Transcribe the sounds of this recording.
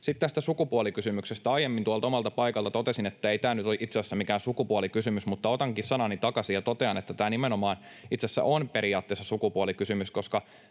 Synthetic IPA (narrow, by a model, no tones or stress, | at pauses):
sit̪t̪æst̪æsukupuolikysymyksest̪æɑjemːint̪uɑlt̪ɑomɑlt̪ɑpɑikɑlt̪ɑt̪ot̪esinet̪ːæeit̪æːnyt̪oʔit̪seæsːæmikæːnsukupuolikysymysmut̪ːɑot̪ɑŋkissɑnɑnit̪ɑkɑsijɑt̪ot̪eɑnet̪ːæt̪æːnimenomɑːn | it̪sesːæ̰ʔonpeɾiɑːt̪ːeːsːɑsukupuolikysymyskoskɑ